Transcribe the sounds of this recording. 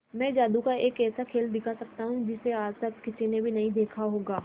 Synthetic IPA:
mɛ̃ːd͡ʒaːd̪ukaeːkɛːsakʰeːld̪ɪkʰasɐk̚t̪aɦũd͡ʒɪseaːd͡ʒt̪ɐt̪kɪsinebʱinɐɦĩd̪eːkʰaɦoːɡaː

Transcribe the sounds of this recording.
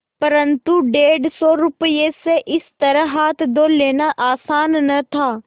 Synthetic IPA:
pɐɾə̃nt̪uɖeːɖsɔɾʊpəjeseʔɪst̪ɐɾəɦaːt̪ʰd̪oleːnaʔaːsaːnːɐt̪ʰaː

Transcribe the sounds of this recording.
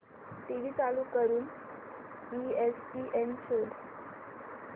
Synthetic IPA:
ʈ̪iʋiːt͡saluːkəɾuːn | iespiːʔent͡ɕʰəd̪

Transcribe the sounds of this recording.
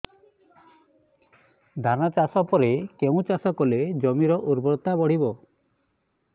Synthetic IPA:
d̪ʱanat͡ʃasɔpɔɾekeũt͡ʃasɔkɔled͡ʒɔmiɾɔʔuɾbɔɾɔt̪abɔɽ̤ibɔ

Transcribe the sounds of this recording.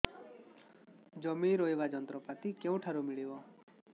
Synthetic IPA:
d͡ʒɔmiɾoebad͡ʒɔnt̪ɾɔpat̪ikeũʈʰaɾumiɭibɔ

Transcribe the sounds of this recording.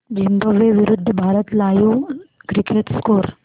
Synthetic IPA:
d͡ʒimbəʋeːʋɪɾʊd̪ʱːbʱaːɾət̪laːjuɡɾikʰeʈskoːɾ

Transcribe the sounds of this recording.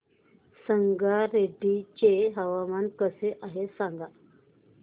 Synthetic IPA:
səŋɡaɾeɖit͡ɕeɦəʋamankəseʔaɦesaŋɡa

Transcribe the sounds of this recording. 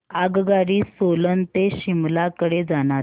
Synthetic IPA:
aɡɡaɽiːsolənt̪eɕimlakəɽed͡zanaɾ

